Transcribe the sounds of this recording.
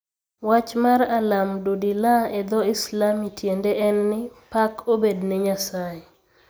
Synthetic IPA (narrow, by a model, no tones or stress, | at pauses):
wat͡ʃmaralamdudilaɛd̪ɔɪslamitʰjendeʔɛnːɪpakʰobednɛɲasae